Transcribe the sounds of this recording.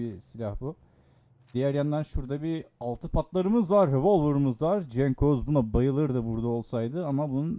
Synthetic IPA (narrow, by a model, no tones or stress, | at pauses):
isilʲahbu | d̪̥ijæɾjand̪ænʃuɾd̪abialˠt̪ʰɯpʰat̪lˠaɾɯmɯzvaɾːɛvo̞lˠvuɾɯmɯzvaɾd͡ʒɛnkʰozbunabajɯlˠɯɾd̪abuɾd̪ao̞lˠsajd̪ɯamabunun